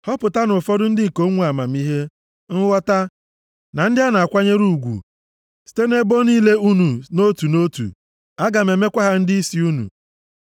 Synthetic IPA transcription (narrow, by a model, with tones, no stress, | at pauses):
hɔ˦pʊ˨ta˦nʊ˨fɔ˦dʊ˦n̩˦dɪ˦ŋ̩˨ko˦ŋʷ˦a˨ma˨m̩˦i˦ɦe˦ | n̩˦wɔ˦ta˦ | na˨n̩˦dɪ˦a˦na˨a˨kʷa˦ɲe˦ɾu˦˨ɡʷṵ˨ | si̥˨te˦ne˦bo˦niː˦le˦u˦nu˨no˦tu˨no˦tṵ˨ | a˦ɡa˨me˨me˦kʷa˦ɦa˦n̩˦dɪ˦i˦si˦u˦nṵ˨